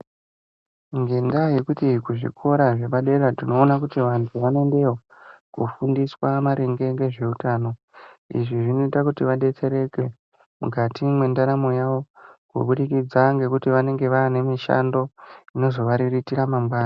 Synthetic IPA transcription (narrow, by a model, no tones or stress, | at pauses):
ŋɡendaje̞kutikuʐḭkʰo̞ɾaʐe̞ɓaɗe̞ɾatino̞ːnakutiʋantʰuʋane̞nde̞o | kufundiswamaɾeŋɡe̞ŋɡe̞ʐe̞utaːno̞ | ḭʐiʐino̞itakutiʋaɗe̞t͡se̞ɾe̞ke | mṵkatimwe̞ndaɾamo̞jaʋo̞kṵɓuɗikid͡zaŋɡe̞kutiʋane̞ŋɡe̞ʋaːne̞miʃa̰ndo̞ino̞zo̞ʋaɾiritiɾamambaːna